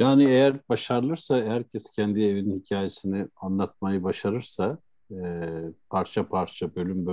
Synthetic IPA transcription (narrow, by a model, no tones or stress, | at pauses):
jaːniejæɾbaʃaɾlˠɯɾsahæɾcʰɛscʰɛnd̪ie̞vininhicʰaːjesinianlˠat̪̚majɯbaʃaɾɯɾsa | pʰaɾt͡ʃʰapʰaɾt͡ʃʰabø̞lʲymbø